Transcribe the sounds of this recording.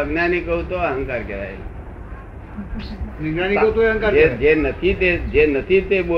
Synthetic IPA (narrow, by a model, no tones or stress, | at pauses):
əɡnanikəut̪oəɦə̃ŋkaɾkeɾa̰j̰ | ʋiɡnaniəɦut̪oeɦə̃ŋkaɾed͡ʒenət̪ʰit̪ed͡ʒenət̪ʰit̪eɓo